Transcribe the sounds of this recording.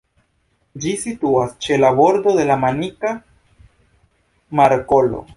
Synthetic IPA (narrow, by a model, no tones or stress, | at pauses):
d͡ʒisituast͡ʃe̞labo̞ɾdo̞de̞lamanika | maɾko̞lo̰